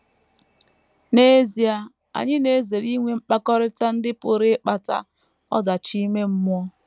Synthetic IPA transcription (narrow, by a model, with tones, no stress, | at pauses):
ne˦e˦zi˨a˨ | a̰˨ɲɪ˦ne˨˦ze˨ɾi˦ŋʷe˨m̩˦k͡pa˦kɔ˦ɾɪ˦ta˦n̩˦dɪ˦pʊ˨ɾɪ˦k͡pa˨ta̰˦ | ɔ̰˦da˨t͡ʃi˦me˦m̩˦mʊ˦ɔ˦